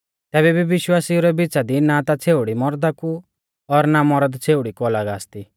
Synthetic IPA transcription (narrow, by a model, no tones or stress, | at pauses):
t̪ɛːβɛbiʋɪʃwaːsiuɾɛbit͡sad̪inat̪at͡sʰeːʊɽimɔɾd̪aku | ɔɾnamɔɾəd̪t͡sʰeːʊɽikuɔlaɡaːst̪i